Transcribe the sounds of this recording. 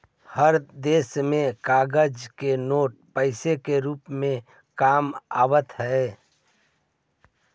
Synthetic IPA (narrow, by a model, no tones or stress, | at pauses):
həɾd̪eːsmẽkaːɡəd͡ʒkenoːʈ̚pəɪsekeɾuːpmẽ | kaːma̰ːwət̪ɦɛ